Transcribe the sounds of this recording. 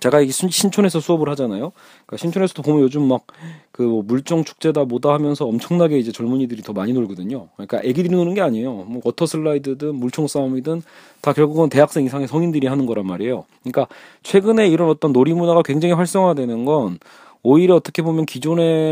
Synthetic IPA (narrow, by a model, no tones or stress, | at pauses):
t͡ɕe̞ɡaiɡʰɕʰint͡ɕʰone̞sʰʌsʰuʌbɯɭhad͡ʑanajo | k͈aɕʰint͡ɕʰone̞sʰʌdopomjʌnjod͡ʑumːak̚kɯmʌmuɭt͡ɕ͈oŋt͡ɕʰu̥k̚t͡ɕ͈e̞dabodahamjʌnsʰʌʌmt͡ɕʰʌŋnaɡe̞id͡ʑe̞t͡ɕʌɭmuɲidɯɾitʌmaɲinoɭɡʌdɯɲokɯɲik͈a̰ʔe̞ɡidɯɾinonɯnɡeaɲejomwʌkʌtʰʌsʰɯɭːaidɯdɯnmuɭt͡ɕʰoŋs͈amidɯn | takjʌɭɡuɡɯnte̞ɦak̚s͈eŋisʰaŋe̞sʰʌŋindɯɾiɦanɯnɡʌɾanmaɾejo̰kɯɲik͈a | t͡ɕʰwe̞ɡɯne̞iɾʌnʌt͈ʌnːoɾimunaɡakwe̞ŋd͡ʑaŋiɸwaɭs͈ʌŋɦadwe̞nɯnɡʌn | oiɾjʌʌt͈ʌkʰe̞bomjʌnkid͡ʑone̞